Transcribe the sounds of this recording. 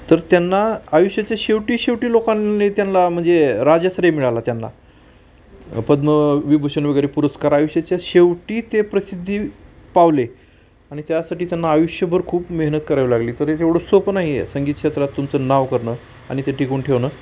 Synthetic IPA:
t̪əɾt̪janːaajuɕjat͡ɕjaɕeʋʈiːɕeʋʈiːlokanːet̪janlam̤əɳd͡zeɾad͡zəsɾemiɭalat̪janːa̰ | pəd̪məʋibʱuɕənʋeɡəɾepuɾəskaɾajuɕjat͡ɕjaɕeʋʈiːt̪epɾəsid̪ʱːiːpaʋle | aɽ̃it̪jasaʈiːt̪janːaːjuɕjəbʱəɾkʰuːpmeɦnət̪̚kəɾajʋlaɡliːt̪əɾet̪eʋɽ̤osopnaɦijḛsəŋɡiːt̪̚kɕet̪ɾat̪ːumt͡sənaʋkəɾɳəː | a̰ɽ̃it̪eʈikuːɳʈʰeʋnəː

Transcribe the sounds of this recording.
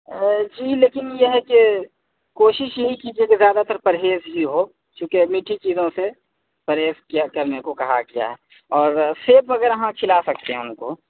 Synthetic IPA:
d͡ʒiːleːkɪnjeɦɛke | koːʃɪʃjɐɦikiːd͡ʒiekezjaːd̪at̪əɾpɐɾɦeːzɦiɦo | t͡ʃũːkemiʈʰit͡ʃiːzõse | pɐɾɦeːzkijakɐɾnekokɐɦa̰ɡɪja̰ɦɛ | ɔːɾseːpʋɐɡəɾɐɦãkʰɪlasɐk̚t̪eɦɛ̃ʊnko

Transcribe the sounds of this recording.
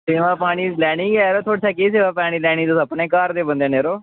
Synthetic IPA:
seːʋaːpaːɽ̃iːlɛːɽ̃iːɡɛːɾoːt̪ʰoːɽt͡ʃʰaːkiːseːʋaːpaːɽ̃iːlɛːɽ̃iːd̪ʊsəpɳeːkaːɾd̪eːbə̃nd̪ẽːneːɾoː

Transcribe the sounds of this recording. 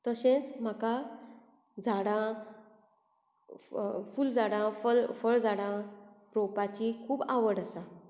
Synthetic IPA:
t̪əɕẽt͡sm̤aka | d͡zʱaɽã | fuld͡zaɽãfəɭfəɭd͡zaɽã | ɾopat͡ɕikʰuːbaʋəɽəsa

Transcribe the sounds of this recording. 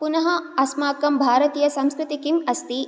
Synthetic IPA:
punɐɦɐɐsmaːkɐmbʱaːɾɐt̪ijɐsɐmskɾɪt̪ikimɐst̪i

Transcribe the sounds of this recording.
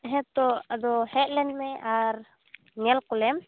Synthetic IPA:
ɦɛ̃t̪ɔad̪ɔhɛʔ̪̚lɛnmɛʔaɾ | ŋɛlkɔlɛm

